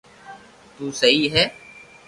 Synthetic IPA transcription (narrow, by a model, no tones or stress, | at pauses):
t̪uːsɐɦiɦɛː